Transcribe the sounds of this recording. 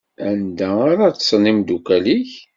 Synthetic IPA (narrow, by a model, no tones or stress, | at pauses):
ænd̪æaɾat͡ssˤnimd̪ukæliç